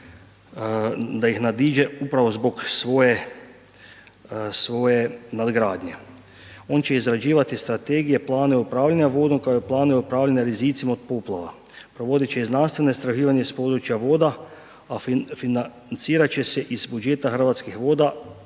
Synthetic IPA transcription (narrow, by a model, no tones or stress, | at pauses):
d̪ajixnad̪iːd͡ʒeupɾaʋozboksʋoːje | sʋoːjenad̪ɡɾaːd̪ɲe | o̞ːnt͡ʃe̞izɾad͡ʒiːʋat̪ist̪ɾat̪eːɡije̞plˠaːneɛupɾaːʋlʎaɲaʋoːd̪omkaojeplˠaːneupɾaːʋʎaɲaɾiziːt̪simaot̪̚poːplˠaʋa̰ | pɾoʋo̞d̪it͡ʃeiznanst̪ʋenoist̪ɾaʒiːʋaɲespod̪ɾut͡ʃjaʋoːd̪a | affina | nt̪siːɾat͡ʃeseʔizbud͡ʒeːt̪axr̩ʋat̪skixʋoːd̪a